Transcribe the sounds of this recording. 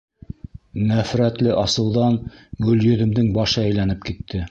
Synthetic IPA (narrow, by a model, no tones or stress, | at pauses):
næfɾæt̪lɘʔɑsɤ̆wðɑnɡɵ̆ljɵ̆ðɘ̆md̪ɘŋbɑʃɤæjlænɘp̚kit̪ːɘ